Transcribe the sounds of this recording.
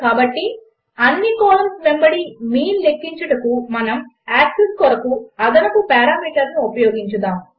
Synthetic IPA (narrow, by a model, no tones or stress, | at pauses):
kaːbɐʈːi | ɐnːikɔːlɐmsmembɐɽimiːnlekːiɲt͡ʃɐʈɐkumɐnɐm | aːkseskɔɾɐkuɐd̪ɐnɐkupɛːɾaːmiːʈɐɾnuopɐjoːɡiɲt͡ʃɐd̪aːm